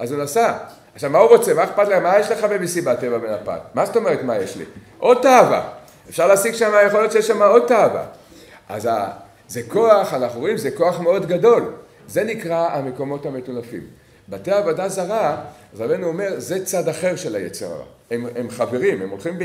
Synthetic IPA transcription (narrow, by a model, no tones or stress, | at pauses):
ʔazunasa | aχʃavmauʁo̞t͡se̞maeχpat̪leχamajeʃle̞χabebisibate̞vabe̞napa̰tmast̪o̞me̞ʁetmajeʃlḭ | ʔo̞d̚t̪aava̰ | efʃaʁlaːsiɡʃamajeχoljotʃejeʃamao̞d̚t̪ava̰ | a̰za | zeko̞aχanaχnuʁoimzeko̞aχme̞o̞dɡado̞l | ze̞nikʁaame̞ko̞mo̞thame̞tulafḭm | bateaːvodazaʁaazʁabejnuome̞ʁze̞t͡sadaχe̞ʁʃe̞lajḛt͡seʁa̰ʁa̰ | ememχave̞ʁimemolχimb